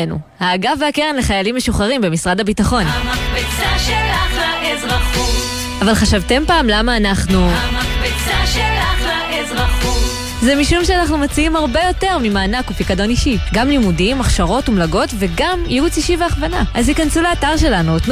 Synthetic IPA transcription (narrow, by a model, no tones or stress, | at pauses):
nṵ | haːɡaveakeʁenle̞χajalimːe̞ʃuχaʁimbe̞misʁadhabitaχo̞nakbit͡saʃelaχaezʁaχu | avalχaʃavte̞mpaːmlamaːnaχnuakbit͡saʃelaχaezʁaχu | zemiʃumʃeanaχnumat͡siimhaʁbejo̞te̞ʁmimaːnakupikado̞niʃiɡamlimudimaχʃaʁo̞tumlaɡo̞tve̞ɡamjiut͡siʃiveaχvana̰ʔazhikansuleataʁʃe̞lanuotn